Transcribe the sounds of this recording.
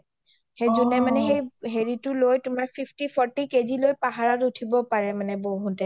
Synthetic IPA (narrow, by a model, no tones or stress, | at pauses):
hezɔnɛmanɛɦejɦeɹitʊlojtʊmaɹpʰipʰtipʰɔɹtikezilojpaɦaɹaɹutʰibɔpaɹɛmanɛboɦutɛ